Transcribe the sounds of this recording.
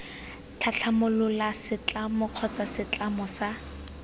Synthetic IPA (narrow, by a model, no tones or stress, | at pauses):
t͡ɬʰaɬʰamʊlʊlasɪt͡ɬʼamʊq͡χʰɔt͡sasɪt͡ɬamɔsa